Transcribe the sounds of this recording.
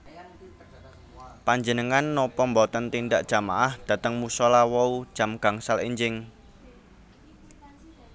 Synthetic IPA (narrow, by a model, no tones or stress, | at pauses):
paɲd͡ʒənəŋanːɔpɔmbɔt̪ənt̪indaʔdʒ̥a̤ma̰ʔahd̪̥ä̤t̪əŋmusɔlawɔu̥ʒ̥a̤mɡ̥a̤ŋsaleɲd͡ʒɪŋ